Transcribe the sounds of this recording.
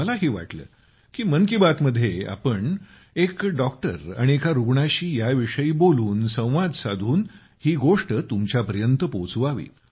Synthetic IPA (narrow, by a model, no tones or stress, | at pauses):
məlaɦiːʋa̰ʈlə̰ː | kiːmənkibat̪məd̪ʱːjea̰pəɳ | ekɖɔk̚ʈə̰ɾa̰ɽiekʰaɾuɡɳaɕiːjaʋiʂəiːboluːnsə̃w̃ʋad̪sad̪ʱuːn | hiːɡoʂʈət̪umt͡ɕjapəɾjənt̪əpot͡suʋaʋḭː